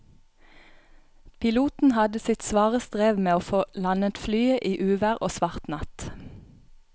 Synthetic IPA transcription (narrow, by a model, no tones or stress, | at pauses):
pʰɪluːt̪n̩hɑd̪əsɪt̪sʋɑːʁəst̪ʁeːʋmeːoːfoːlɑnət̪flyːəʔiːʔʉːʋæʁʔoːsʋɑʁt̪nɑt̪